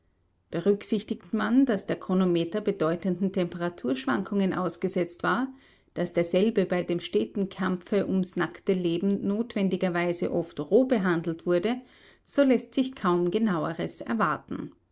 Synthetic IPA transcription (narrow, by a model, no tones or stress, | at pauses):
b̥əʁʏksɪçtɪktmandasd̥eːɐkʁ̥oːnomeːtɐbədɔʏtəndn̩tʰɛmpəʁatʰuːɐʃv̥a̰ŋkʰʊŋənʔa̰ʊsɡ̥əzɛt͡stv̥aːɐ | d̥asd̥eːɐzɛlbəbaɪdeːmʃteːtn̩kʰamp͡fəʔʊmsnaktəleːbm̩noːtv̥ɛndɪɡɐvaɪzə̰ʔɔftʁoːbəɦandl̩tv̥ʊɐdə | z̥oːlɛstz̥ɪçkʰaʊmɡənaʊəʁəsɛ̰ɐvaɐtn̩